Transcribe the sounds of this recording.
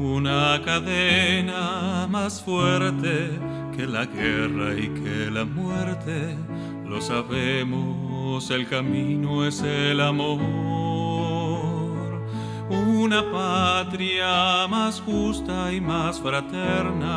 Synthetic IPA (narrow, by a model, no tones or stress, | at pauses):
unakaðenamasfweɾt̪e | kelaɣeraikʰelamweɾt̪e | losaβemo | selkaminoeselamo | ɾ | unapat̪ɾjamasxust̪aimasfɾat̪eɾna